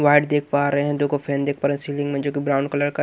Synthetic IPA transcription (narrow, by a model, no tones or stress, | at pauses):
ʋaːɪɖd̪eːkʰpaːɾɐɦeɦɛ̃d̪oːkofʰɛ̃ːnd̪eːk̚ʰpaːɾeɦɛ̃siːlɪ̃ŋɡmẽd͡ʒoːkibɾaːʊ̃ɳɖkɐləɾkɐ